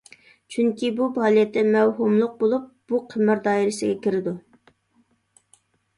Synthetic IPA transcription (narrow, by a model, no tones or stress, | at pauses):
t͡ʃʰyŋkʲibubɑːlˠijɛt̪ːɛmɛwɦumlˠʊq̚bolˠup̚b̥uqʰəmɪɾd̪ɑːiɾɪsɪɡʲɛkʲʰiɾɪd̪u